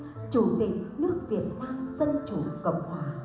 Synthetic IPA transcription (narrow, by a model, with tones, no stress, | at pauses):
t͡ɕu˧˩˦t̪ï˨˩k̚nɨ˦˥ək̚vi˨˩ət̚kwaː˧mzə˧nt͡ɕu˨˩˦kə̰˨˧˨wŋ͡m̚hwaː˨˦